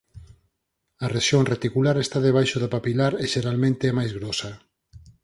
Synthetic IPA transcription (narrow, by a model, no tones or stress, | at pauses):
ɐreʃjoŋret̪ikulaɾest̪aðeβ̞ajʃoðapapilaɾeʃeɾalmẽnt̪eɛmajzɣɾɔsɐ